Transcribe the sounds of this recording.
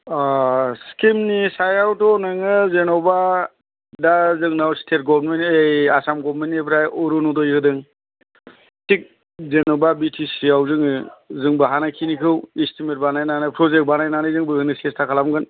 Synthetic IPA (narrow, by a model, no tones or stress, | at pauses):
skimnisajawtɔnɯŋɯzenɔba | dazɯŋnawstʰet̚ɡɔbɾmenejasamɡɔbɾmentːepʰɾajɔɾɔnɔdɔjkɯdɯŋ | tik̚ | zenɔbabitʰisiawzɯŋɯzɯŋbɯɦanakʰinikʰɯwistʰimet̚banajnanɯpʰɾɔzek̚banajnanɯzɯŋbɯɯnɯsestʰakʰalamɡɯn